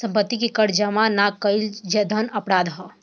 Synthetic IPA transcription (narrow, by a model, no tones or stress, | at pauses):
sɐ̃mpət̪ːikikəɽd͡ʒəmanakəɪld͡ʒɐd̪ʱənɐpɾaːd̪ɦɐ